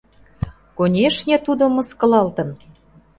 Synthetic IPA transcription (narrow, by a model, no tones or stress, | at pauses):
konʲeʃnʲet̪ud̪omɤ̆skɤ̆lɑlt̪ə̆n